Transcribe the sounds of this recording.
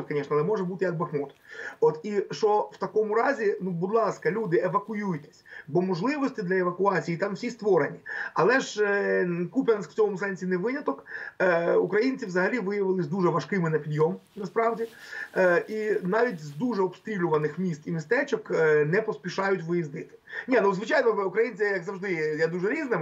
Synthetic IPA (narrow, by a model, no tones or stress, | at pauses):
kɐnʲɛʃnɐalˠɛmɔʐɛbut̪ɪjɐk̚bɐxmɔt̪ɔt̪iʃt͡ʃɔwt̪ɐkɔmʊɾɑzʲinubʊd̪lˠɑskɐlʲud̪ɪeʋɐkʊjujt̪ɛ̥sʲbɔmɔʒlˠɪʋɔsʲtʲɪd̪lʲɐɛʋɐkʊɑt͡sʲijit̪ɑmsʲist̪ʋɔɾenʲiɐlˠɛʒ | kupʲɛnskft͡sʲɔmɔmʊsɛnʲsʲinɛʋɪnʲɐt̪ɔkː | ukɾɐjinʲt͡sʲiwzɐɦɐlʲiʋɪjɐʋɪlˠɪzʲd̪uʒɛʋɐʃkɪmɪnɐpʲid̪jɔm | nɐspɾɑʋdʲi | inɑʋʲitʲzd̪uʒɛɔpst̪ɾʲilʲʊʋɐnɪxmʲist̪imʲist̪ɛt͡ʃɔknɛpɔspʲiʃɑjʊtʲʋɪjizd̪ɪt̪ɪ̥nʲinuzʋɪt͡ʃajnɔukɾɐjinʲt͡sʲijjɐkzɐwʒd̪ɪjad̪uʒɛɾʲiznɪm